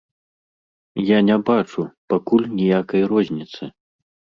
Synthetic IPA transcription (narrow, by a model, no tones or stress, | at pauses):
janʲɛbat͡ʂupakulʲnʲijakɐjrɔzʲnʲit̪sɨ